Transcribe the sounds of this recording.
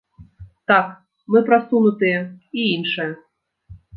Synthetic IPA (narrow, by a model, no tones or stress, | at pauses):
t̪ak | mɨpɾasunut̪ɨjɛiinʂɨjɛ